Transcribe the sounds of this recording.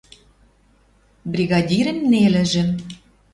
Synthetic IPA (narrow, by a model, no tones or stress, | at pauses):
brʲiɣɑdʲiɾə̆mnelɘ̆ʒɘ̆